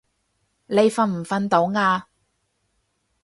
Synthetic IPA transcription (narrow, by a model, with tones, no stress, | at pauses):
le˨˧jfɐ˧nm̩˨˩fɐ˧nt̪o˨˥wŋaː˧